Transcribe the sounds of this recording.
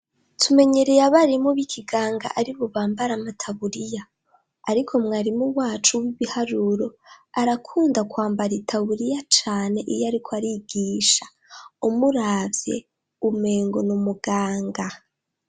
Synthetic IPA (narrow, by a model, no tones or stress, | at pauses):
tʰume̞ɲe̞ɾejaβaɾimuβikʰiɡaːŋɡa̰ʔaɾiβuβaːmbaɾamatʰaβuɾijaː | ɾikʰo̞mŋaːɾimuwaːt͡ʃuwiβihaɾuɾo̞aɾakʰuːndakwaːmbaɾitʰaβuɾijat͡ʃaːne̞ʔijaɾikʰoaɾiɡiːʃa | umuɾaːvje̞̰ | ume̞ːŋɡonumuɡaːŋɡa